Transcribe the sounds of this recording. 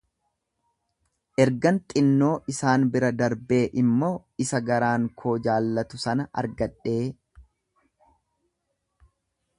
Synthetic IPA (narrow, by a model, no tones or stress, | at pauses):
ʔɛɾɡɐnt̪ʼɪnːo̞ːʔɪsaːnbɪɾɐd̪ɐɾbe̞ːʔɪmːo̞ː | ɪsɐɡɐɾaːŋkʰo̞ːd͡ʒaːlːɐt̪ʊsɐnɐʔɐ̰ɾɡɐᶑe̞ː